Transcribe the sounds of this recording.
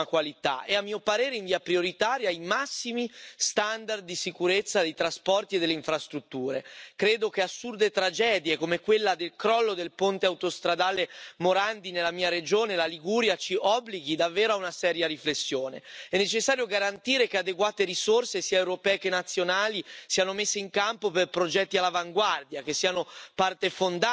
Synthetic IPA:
akwalit̪a̰ɛamːiːopaɾeːɾeiɱviːapɾioɾit̪aːɾjoajmasːimist̪and̪ard̪ːisikuɾet̪sːad̪ejt̪ɾaspɔrt̪ied̪elːeiɱfɾast̪ɾut̪ːuːɾḛkɾeːd̪okeasːurd̪et̪ɾad͡ʒɛːd̪jekomekwelːad̪elkɾɔlːod̪elpont̪eawt̪ost̪ɾad̪aːlemoɾand̪inelːamiːaɾed͡ʒoːnelaliɡuɾjat͡ʃiʔɔbːliɡid̪avːeːɾoaunasɛːɾjaɾiflesːjoːnḛɛnːet͡ʃesːaːɾjoɡaɾant̪iːɾekead̪eɡwaːt̪eɾisorsesiːaewɾopɛːekenːat̪sːjonaːlisiːanomesːeiŋkampoperpɾod͡ʒɛt̪ːialːavaŋɡward̪jakesːiːanopart̪efond̪a

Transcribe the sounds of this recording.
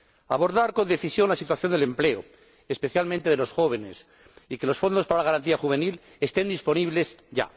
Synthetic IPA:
aβo̞ɾðaɾko̞nd̪e̞θisjo̞nlasit̪waθjo̞nd̪ele̞mple̞o̰ | espe̞θjalmẽnt̪e̞ðelo̞sxo̞β̞e̞ne̞̰s | ike̞lo̞sfo̞nd̪ospaɾalaɣaɾant̪iaxuβ̞e̞nil | e̞st̪e̞nd̪ispo̞niβle̞sʝa̰

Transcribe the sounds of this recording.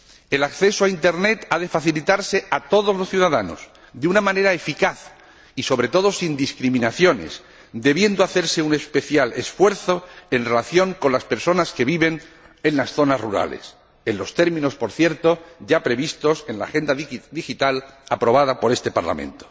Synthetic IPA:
e̞lakθe̞soaint̪e̞ɾne̞t̪aðe̞faθilit̪aɾse̞at̪o̞ð̞o̞zloθjuðaðano̞̰s | ðeunamãne̞ɾaefikaθ | iso̞βɾe̞t̪o̞ð̞o̞sind̪iskɾimĩnaθjo̞ne̞̰s | d̪e̞βje̞nd̪o̞aθe̞ɾse̞une̞spe̞θjale̞sfwe̞ɾθo̞e̞nre̞laθjo̞ŋko̞nlaspe̞ɾso̞naske̞βiβe̞n | e̞nlasθo̞nazruɾa̰le̞̰s | e̞nlo̞st̪e̞ɾmĩno̞spo̞ɾθje̞ɾt̪o̞ʝapɾe̞βist̪o̞se̞nla̰xe̞nd̪ad̪ixit̪alapɾo̞β̞aðapo̞ɾe̞st̪e̞pa̰ɾla̰mḛ̃nt̪o̥

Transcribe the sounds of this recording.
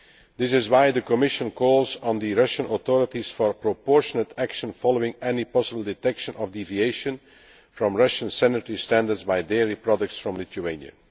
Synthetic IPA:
d̪ɪsɪzwaɪd̪əkɔmɪʃə̃nkʰɔːlˠzn̩d̪iɹʌʃə̃nɔt̪ɔɹətisfɔɹpɹɔpɔɹʃənətʰækʃə̃nfɑlˠoɪ̃ŋɛnipɑsəbəlˠdɪtɛkʃə̃nʔɔvdivieɪʃə̃n | fɹɔ̃mɹʌʃə̃nsɛnətəɹistæ̃ndə˞dzbaɪdɛɹipɹɑdək̚tsfɹɔ̃mlɪt̪uẽɪ̃njə̰

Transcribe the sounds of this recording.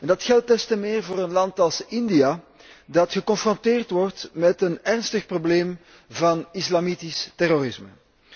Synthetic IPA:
ɛndɑtxɛlˠt̚dɛstəmeːrvoːɾənlɑntɑlˠsɪndija | dɑtxəkɔnfrɔntɪːrtʋɔrtmɛtənɛrnstəxprobleːm | vɑnɪslɑmitistɛroɾɪsmə̰

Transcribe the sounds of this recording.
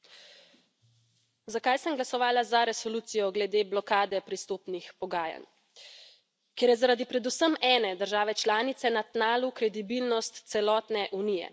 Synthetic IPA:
zakajsəmɡlasɔʋaːlazaɾɛsɔluːt̪sijɔɡlɛd̪eːblɔkaːd̪ɛpɾist̪oːpnixpɔɡaːja̰n | kjeːɾjɛzaɾad̪ipɾɛd̪usəmɛːnɛd̪əɾʒaːʋɛt͡ʃlaːnit̪sɛnat̪naːlukɾɛd̪ibilnɔst̪t̪sɛlɔːt̪nɛʔunijɛ̰

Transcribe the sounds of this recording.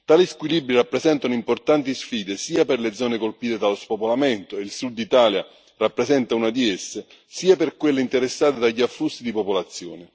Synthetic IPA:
t̪aːliskwilibɾirapːɾezɛnt̪anoimport̪ant̪isfiːd̪esiːaperled̪zːɔːnekolpiːt̪ed̪alospopolament̪oeilsud̪ːit̪aːlja | rapːɾezɛnt̪aunad̪iesːɪ | siːaperkwelːeint̪eɾesːaːt̪ed̪aʎːiafːust̪id̪ipopolat̪sːjoːnɪ

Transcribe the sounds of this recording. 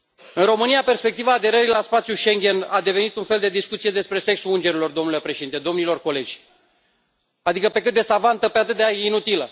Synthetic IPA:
ɨnro̞mɨnijape̞rspe̞k̚t̪ivaːd̪e̞ɾəɾilaspat̪sjuʃe̞ŋɡʲe̞nad̪e̞ve̞nit̪unfe̞ld̪e̞d̪iskut̪sije̞d̪e̞spɾe̞se̞ksuɨnd͡ʒe̞ɾilo̞rd̪o̞mnule̞pɾe̞ʃed̪int̪e̞d̪o̞mnilo̞rko̞le̞d͡ʒʲ | ad̪ikəpe̞kɨt̪d̪e̞savant̪əpeat̪ɨt̪̚d̪eainut̪ilə

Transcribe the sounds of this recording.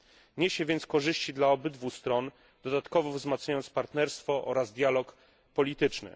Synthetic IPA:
ɲeɕɛvʲjɛnt̪skɔʐɘɕt͡ɕid̪laɔbɘd̪vuxst̪ɾɔn | d̪̥ɔd̪at̪kɔvɔvzmat̪sɲajɔnt̪spaɾt̪nɛɾst̪fɔʔɔɾazd̪ʲjalɔk | pɔlʲit̪ɘt͡ʂnɘ̰

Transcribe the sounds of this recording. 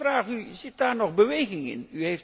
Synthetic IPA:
raːχyzɪt̚daːɹnɔχbəʋejɣɪŋɪ̰nyɦejf

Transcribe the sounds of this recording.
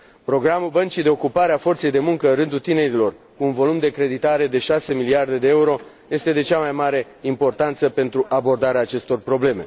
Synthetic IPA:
pɾo̞ɡɾamulbənt͡ʃijd̪e̞okupaɾeafo̞rt̪se̞jd̪e̞muŋkəɨnrɨnd̪ut̪ine̞ɾilo̞rkuːnvo̞lumd̪e̞kɾe̞d̪it̪aɾe̞d̪e̞ʃase̞miliard̪e̞d̪e̞euɾo̞ | je̞st̪ed̪e̞t͡ʃamajmaɾe̞ | impo̞rt̪ant̪səpe̞nt̪ɾuʔabo̞rd̪aɾeaːt͡ʃe̞st̪o̞rpɾo̞ble̞me̞̰

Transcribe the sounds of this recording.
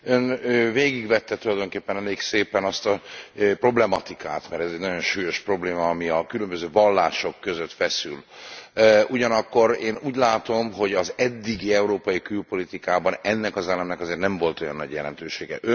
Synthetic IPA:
ønøveːɡiɡvɛt̪ːɛt̪ulɒjd̪o̞ŋkeːpːɛnɛleːkseːpɛnɒst̪ɒpro̞blɛmɒt̪ika̰ːt̪mɛɾɛzɛɟnɒɟo̞nʃuːjo̞ʃpro̞bleːmɒːmiɒkylømbøzøːvɒlːa̰ːʃo̞kːø̞zøt̪fɛsy̰l | uɟɒnɒkːo̞ɾeːnuːɟlaːt̪o̞mɦo̞ɟɒzɛd̪ːiɡiɛuɾoːpɒjikylpo̞lit̪ikaːbɒnɛnːɛkɒzɛlːɛmnɛkɒzeːrt̪nɛɱvo̞lt̪o̞jɒnːɒ̰ɟjɛlɛnt̪øːʃeːɡɛ̰ʔø

